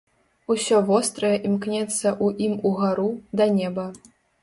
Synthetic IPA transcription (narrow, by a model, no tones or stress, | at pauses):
usʲɔvɔst̪ɾɐjɛʔimknʲɛt̪sːɐʔuʔimuɣaɾud̪ɐnʲɛbɐ